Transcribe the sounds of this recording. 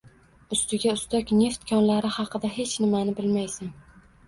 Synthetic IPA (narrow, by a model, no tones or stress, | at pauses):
ʊst̪ɪɡʲaʊst̪akʲne̞ft̪kʰʲɒnlaɾɪhɑqʰɨd̪aɦe̞t͡ʃnɪmanɪbɪlmajsan